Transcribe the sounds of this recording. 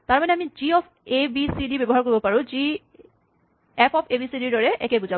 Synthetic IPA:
taɹmanɛamiziɔp | ebisidibebɔɦaɹkoɹibɔpaɹʊ̃zi | ɛpʰɔpʰebisidiɹdɔɹɛʔɛkebuza

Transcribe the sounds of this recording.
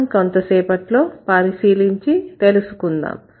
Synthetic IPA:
mkont̪ɐsɛːpɐʈlo̞ːpaːɾisiːliɲt͡ʃit̪e̞lusukund̪a̰ːm

